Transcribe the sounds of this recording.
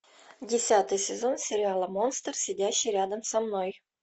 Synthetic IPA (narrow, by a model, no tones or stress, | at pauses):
dʲɪsʲat̪ɨjsʲɪzonsʲɪɾʲɪalˠəmonst̪ərsʲedʲæɕːiɾʲad̪əmsɑmnoj